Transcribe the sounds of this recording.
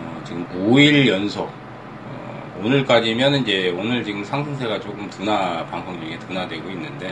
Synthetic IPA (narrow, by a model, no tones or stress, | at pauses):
ʌ̰t͡ɕiɡɯmkuiɭjʌnsʰo | ʌ̰ | onɯɭk͈ad͡ʑimjʌnɯnid͡ʑe̞onɯɭt͡ɕiɡɯmsʰaŋsʰɯŋsʰe̞ɡat͡ɕokɯmtunapaŋsʰoŋɲuŋetɯnadwe̞ɡoinːɯnde̞